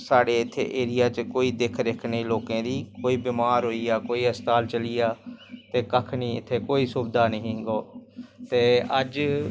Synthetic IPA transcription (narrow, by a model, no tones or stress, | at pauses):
saːɖeːɪt̪ʰːḛːʔeːɾɪjaːt͡ʃkoːiːd̪eːkʰɾeːkʰneːloːkẽːd̪iːkoːiːbiːmaːɾɦoːiːaːkoːiːəst̪aːlt͡ʃəlɪjaːt̪eːkəkʰniːɪ̰t̪ʰːeːkoːiːsuːbd̪aːnəɦĩːɡoːt̪eːəd͡ʒ